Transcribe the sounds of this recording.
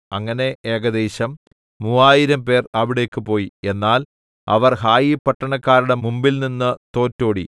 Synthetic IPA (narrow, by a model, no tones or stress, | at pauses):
ɐŋːɐne̞ʔeːɡɐd̪eːɕɐmː | uːaːjiɾɐmpe̞ːrɐʋiɽe̞ːkːɨpo̞ːjie̞nːaːl | ɐ̰ʋɐrɦaːjipːɐʈːɐɳɐkːaːɾuɽe̞mumbilninːɨt̪o̞ːtːo̞ːɽḭ